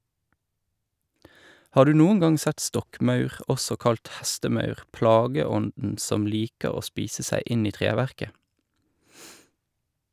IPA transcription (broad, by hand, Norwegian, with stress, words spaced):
ˈhɑː ˈdʉː ˈnuːəŋ ˈɡɑŋ ˈsɛt ˈstɔkˌmɑʉʁ ˈɔsɔ ˈkɑlt ˈhɛstəˌmɑʉʁ ˈplɑːɡəˌɔndn̩ ˈsɔm ˈliːkəʁ ˈoː ˈspiːsə ˈsæɪ ˈɪn ˈiː ˈtʁeːˌʋæʁkə